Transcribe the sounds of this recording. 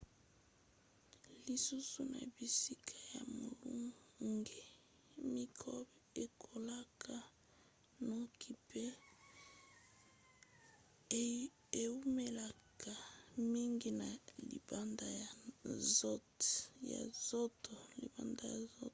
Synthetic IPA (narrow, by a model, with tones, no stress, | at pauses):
li˨su˦su˦na̰˨bi˨si˦kʰa˦ja˨mo˨lṵ˦ŋɡe˨ | mi˦kʰo˦b | e˨kʰo˨la˦kʰa˦ | no˦kʰi˨pe˦ | e˨u˦me˦la˨ka˨mi˦ŋɡi˦na˨lḭ˨ba˦nda˦ja˨zo˦ | ja̰˨zo˦to˨lḭ˨ba˦nda˨ja˨zo˦